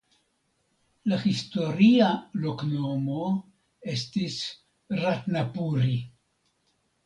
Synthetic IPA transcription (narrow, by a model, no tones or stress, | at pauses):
lahisto̞ɾialo̞kno̞mo̞ | e̞stis | ratnapuɾi